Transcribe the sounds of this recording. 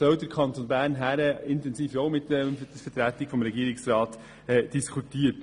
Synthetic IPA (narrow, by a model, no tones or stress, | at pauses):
sœʊdəɾkʰɑntʰonbæːɾnɦæɾəɪntɛnsiːfjoʊmɪtɛmd̥ɛfɛtɾæːtɪ̥fɔmɾɛɡiːɾɪksɾɑːt | ɛd̥iskʰutiːət